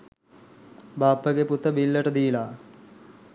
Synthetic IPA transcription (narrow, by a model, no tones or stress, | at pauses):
baːpːɐɡeput̪ːɐbilːɐʈɐd̪iːla